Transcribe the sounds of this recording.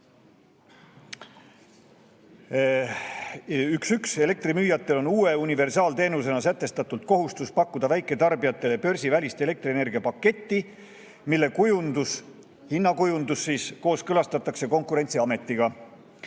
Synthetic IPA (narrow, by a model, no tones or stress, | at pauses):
yksykse̞le̞k̚t̪rimyːjɑt̪ːˑe̞lo̞nuːe̞unive̞rsɑːlt̪e̞ːnus̬e̞nɑs̬æt̪ːe̞st̪ɑt̪ˑult̪̚ko̞ɦust̪uspɑkːud̪̥ɑvæjkːˑe̞t̪ɑrbijɑt̪ːˑe̞lepø̞rʲsʲivælʲist̪e̞le̞k̚t̪riene̞rɡiɑpɑkːe̞t̪ːi | milːe̞kujund̪us | hinːɑkujund̪usːiːsko̞ːskɤlɑst̪ɑt̪ːˑɑkse̞ko̞ŋkuɾe̞nʲt̪siɑme̞t̪ˑːiɡ̥ɑ